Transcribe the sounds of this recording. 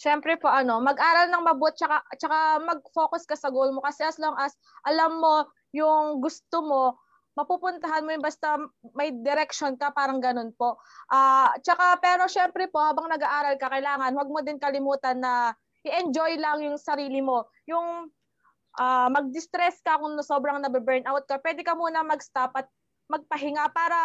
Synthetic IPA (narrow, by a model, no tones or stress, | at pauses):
ʃɛmpɾɛpo̞ʔɐno̞mɐɡʔaːɾɐlnɐŋmɐbot̪̚t͡ʃɐkat͡ʃɐkamɐɡ̚fo̞ːkʊskɐsɐɡowlmo̞kɐsɛʔɐsloŋʔɐs | ʔɐlamːo̞ | jʊŋɡʊst̪omo̞ | mɐpuːpʊnt̪ɐɦanmojʊnbɐst̪amɐjd̪ɛɾɛkʃonkɐpaːɾɐŋɡɐno̞npo̞ʔ | ʔaːt͡ʃɐkapɛːɾo̞ʃɛmpɾɛpo̞haːbɐŋnɐɡaʔaːɾɐlkɐkɐjlaːŋɐnwɐɡ̚mod̪ɪnkɐlɪmuːt̪ɐnːɐ | ʔɪʔɛnd͡ʒojlɐŋjʊŋsɐɾiːlɪmo̞ | jʊŋ | ʔamɐɡ̚d̪ɪst̪ɾɛskɐkʊŋnɐso̞ːbɾɐŋnɐbɪbɛɹnʔawt̪̚kɐpwɛd̪ɛkɐmuːnɐmɐɡst̪apʔɐt̪̚ | mɐɡ̚pɐɦɪŋapaːɾɐ